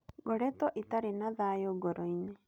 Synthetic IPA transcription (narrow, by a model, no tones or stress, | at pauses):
ɡɔɾɛtɔʔitaɾenaðajoɡɔɾʔɔiɲe